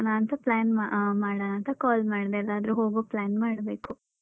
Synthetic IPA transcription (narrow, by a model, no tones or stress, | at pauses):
naːnt̪ɐplaːnmamaːɽanaːnt̪ɐkaːlmaːɽd̪eɛlːaːd̪ɐɾuɦoːɡoplaːnmaːɽbeːku